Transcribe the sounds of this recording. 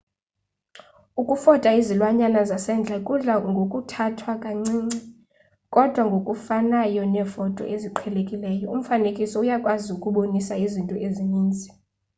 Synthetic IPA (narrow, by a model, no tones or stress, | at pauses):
ukʼufɔtʼaizilwaɲanazasɛnd͡ɮʱakʼuɮaŋɡʱokʼutʰatʰwakʼaŋ͡ǀiːŋ͡ǀi | kʼɔd̥ʱwaŋɡʱokʼufanajɔnɛːfɔtʼɔ̰ʔeziǃʰɛlekʼilɛːjɔum̩fanekʼisɔujakʼwaziukʼuɓonisaizintʼɔʔeziniːnd͡zʱi̥